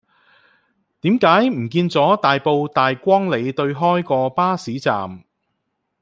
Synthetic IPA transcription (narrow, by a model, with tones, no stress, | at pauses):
t̪iː˨˥mkaː˨˥jm̩˨˩kiː˧nt͡sɔː˨˥t̪aː˨jpo˨˧wt̪aː˨jkʷɔː˥ŋle˨˧jt̪ɵ˧ɥɦɔː˥jkɔː˧paː˥siː˨˥t͡sa̰ː˨m